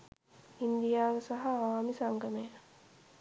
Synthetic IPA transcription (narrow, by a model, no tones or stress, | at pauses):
ind̪ijaːʋəsaɦaːʋaːmisaŋɡəmea